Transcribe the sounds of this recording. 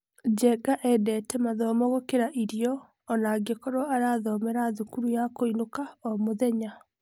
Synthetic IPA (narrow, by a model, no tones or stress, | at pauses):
d͡ʑɛɡaʔɛdɛtɛmaðɔmɔɣokeɾaʔiɾiɔː | naɡekɔɾoaɾaðɔmɛɾaðukuɾujakoinokaɔmoðɛɲa